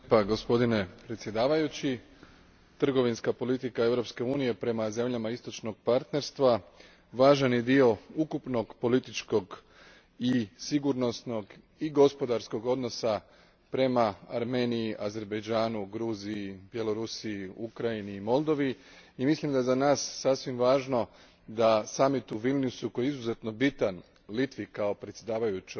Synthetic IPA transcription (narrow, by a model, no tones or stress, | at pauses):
paɡo̞spo̞d̪ine̞pɾet̪sje̞d̪aːʋajut͡ɕi | t̪r̩ɡo̞ʋinskapo̞lit̪ikae̞ʋɾo̞pske̞uːnije̞pɾe̞maze̞mʎamaist̪o̞t͡ʃno̞ɡ̥̚paɾt̪ne̞ɾst̪ʋa | ʋaːʒanid̪io̞ukupno̞ɡpo̞lit̪it͡ʃko̞ɡ | isiɡuɾno̞sno̞ɡ | iɡo̞spo̞d̪aɾsko̞ɡo̞d̪no̞sa | pɾe̞maa̰ɾme̞ːniiʔaze̞ɾbejd͡ʒaːnuɡɾuːziibje̞lo̞ɾusiiukɾainiːmo̞lˠd̪o̞ʋi | imislimd̪ajezanaːsːasʋimʋaːʒno̞ | d̪asamit̪uʋilnjusuko̞jeizuze̞t̪no̞bit̪an | lit̪ʋikao̞pɾe̞t̪sʲjed̪aːʋajut͡ʃ